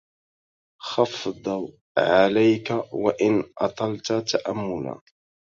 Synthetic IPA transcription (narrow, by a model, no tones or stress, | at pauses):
xɑfd̪ˤɑ | ʕalajkawaʔɪnʔɑ̰t̪ˤɑlt̪at̪aʔamːʊla̰